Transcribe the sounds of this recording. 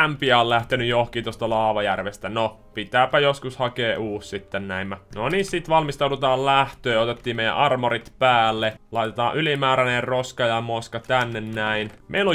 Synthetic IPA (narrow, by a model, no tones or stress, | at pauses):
æmpiæollæht̪enyjjohkiːt̪ost̪ɑlɑˑːʋɑjærʋest̪æno | pit̪æːpæjoskushɑkeːʔuːssit̪ːennæimːænoniːssit̪ʋɑlmist̪ɑudut̪ɑːllæht̪øːot̪et̪ːiːmmeijæ̰ʔɑrmorit̪pæːlːelɑit̪et̪ɑːʔʔylimæːɾænerroskɑjɑmoskɑt̪ænːennæinmʔḛilo